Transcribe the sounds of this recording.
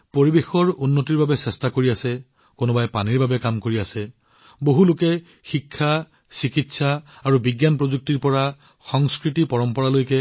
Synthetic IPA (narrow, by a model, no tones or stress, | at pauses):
poɹibexɔɹunːotiɹbabɛsɛstakoɹiasɛ | konɔbajpaniɹbabɛkamkoɹiasɛ | boɦulʊkɛ | xikʰːa | sikitsaːɹubiɡjanpɹozuk̚tiɹpɔɹa | xɔŋskɹitipɔɹɔmpɔɹalojkɛ